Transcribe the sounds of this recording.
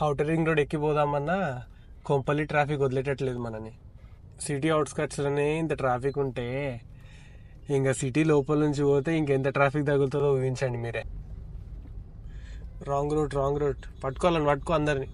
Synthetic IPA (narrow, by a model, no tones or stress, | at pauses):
ɐwʈɐɾiŋɡɾoːɖekːipɔːd̪aːmɐnːa | kompɐlːiʈɾaːpʰikod̪leʈ̬ːɐʈːɐle̞ːd̪umɐnɐni | siʈ̬iɐwʈskaːʈsloːne̞ːint̪̬ɐʈɾaːpʰikuɳʈe̞ː | iŋkaːsiʈilɔːpɐlnuɲt͡ʃioːt̪eːiŋkent̪ɐʈɾaːpʰik̚d̪ɐɡult̪ɐd̪oːuʋiɲt͡ʃɐːɳɖimiːɾeː | ɾaːŋɡɾoːɖɾaːŋɡɾoːɖ̚pɐʈːu̥kɔlɐniʋɐʈ̚koːɐnd̪ɐɾini